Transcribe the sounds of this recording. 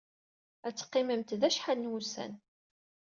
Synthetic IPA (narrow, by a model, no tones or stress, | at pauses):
æt͡sːə̥qːɪməmt̪ðæʃħalnwusæ̰n